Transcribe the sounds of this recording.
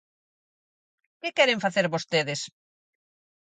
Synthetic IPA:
kɪkɛɾeɱfaθeɾβost̪eðɪs

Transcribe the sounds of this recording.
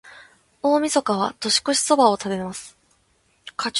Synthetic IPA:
o̞ːmʲiso̞kaβ̞a̰t̪o̞ɕi̥koɕi̥so̞bao̞t̪ab̪e̞masɨ̥ | kʰa

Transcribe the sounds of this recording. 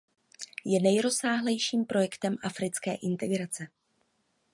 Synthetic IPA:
jɛnɛjɾo̞saːɦlɛjʃiːmpɾo̞jɛkt̪ɛmʔafɾɪt͡skɛːʔɪnt̪ɛɡɾat͡sɛ

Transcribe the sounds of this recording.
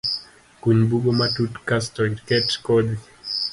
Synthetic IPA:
kuɲbuɡɔmatutkastɔiɾkɛtkɔdi

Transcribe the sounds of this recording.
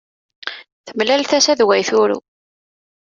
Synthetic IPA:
θəmlælθæsæðwæjθʊɾṵ

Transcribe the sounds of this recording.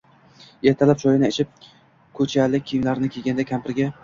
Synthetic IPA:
eɾt̪ʰalap̚t͡ʃʰɒjɪnɪet͡ʃʰɪp̚ | kʰɵt͡ʃʰalɪimlaɾɪnɪkʲʰeɡʲand̪akʲʰampʰɪɾɡʲa

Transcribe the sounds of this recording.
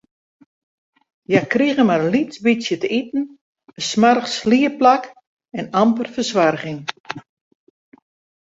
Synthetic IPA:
jakriɣəmarlisbisjətəitn̩ | əsmarxsliəplak | ɛnampərfərsʋarɣɪŋ

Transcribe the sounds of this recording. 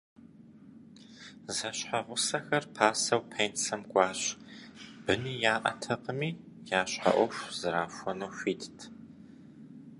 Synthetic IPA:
zɐɕħaʁʷʊsɐxɐrpʰaːsɐwpʰejnsɐmɡʷʼɑːɕ | b̥ɨniːjaːʔɐ̰tʰɐqəmiː | jaːɕħa̰ʔʷɔfʷz̥ɨɾaːfʷɔnuːɕʷiːtʰtʰ

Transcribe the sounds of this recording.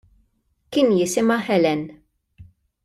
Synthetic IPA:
kɪːnjɪsɪmɐħɛlɛn

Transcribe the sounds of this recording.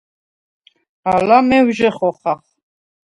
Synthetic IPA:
alamɛwʒɛχɔχaχ

